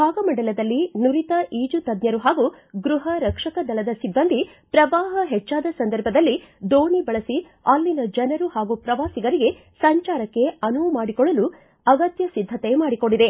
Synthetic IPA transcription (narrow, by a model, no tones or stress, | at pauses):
bʱaːɡɐmɐɳɖɐlɐd̪ɐlːinuɾit̪ɐʔiːd͡ʒut̪ɐd̪njɐɾuɦaːɡu | ɡɾuɦɐɾɐkʂɐkɐd̪ɐlɐd̪ɐsibːɐnd̪ʱi | pɾɐʋaːɦɐɦɛt͡ʃːaːd̪ɐsɐnd̪ɐɾbʱɐd̪ɐlːid̪oːɳibɐɭɐsi | aːlːinɐd͡ʒɐnɐɾuhaːɡupɾɐʋaːsiɡɐɾiɡe̞ | sɐɲt͡ʃaːɾɐkːe̞ɐnumaːɽikɔɭɐlu | ɐɡɐt̪jɐsid̪ʱːɐt̪e̞maːɽikoɳɖid̪e̞